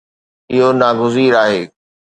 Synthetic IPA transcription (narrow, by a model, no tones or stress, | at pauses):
ɪɦonaːɡʊziːɾaːɦeː